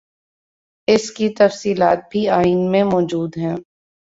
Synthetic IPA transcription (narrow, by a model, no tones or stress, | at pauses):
ɪskit̪ɐfsiːlaːt̪̚bʱiaːiːnmẽmɔːd͡ʒuːd̪ɦɛ̃ː